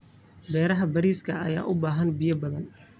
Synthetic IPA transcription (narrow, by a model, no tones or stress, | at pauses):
bɛːɾɐɦɐbɐɾiːskʰɐɐ̰ja̰ːʔʊbaːɦɐnbɪjɐbɐðɐn